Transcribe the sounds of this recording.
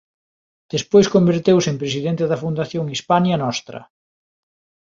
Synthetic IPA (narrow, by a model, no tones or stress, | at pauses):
d̪̥espojskombeɾt̪ewsempɾes̬iðent̪eðɐfund̪aθjoŋispaɲɐnɔst̪ɾɐ̰